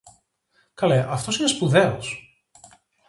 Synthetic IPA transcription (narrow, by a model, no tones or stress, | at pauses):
kɐleʔɐft̪o̞sinespuðe̞os